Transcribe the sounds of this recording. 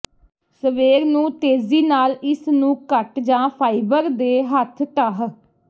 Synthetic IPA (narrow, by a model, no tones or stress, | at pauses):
səʋeːɾnũːt̪eːziːnaːlɪsnũːkəʈd͡ʒãːpʰaːibəɾd̪eːɦət̪ʰt̪əɦ